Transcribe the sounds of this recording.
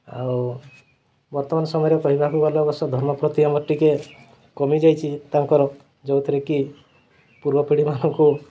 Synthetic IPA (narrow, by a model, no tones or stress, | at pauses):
a̰w | bɔɾt̪ɔmanɔsɔmɔjɾekɔɦibakukɔlɔbɔsɔd̪ʱɔɾmɔpɾɔt̪iamɔʈːike | kɔmid͡ʒajt͡ʃʰit̪aŋkɔɾɔ | d͡ʒɔwt̪ʰiɾeki | puɾbɔpiɽimanɔŋku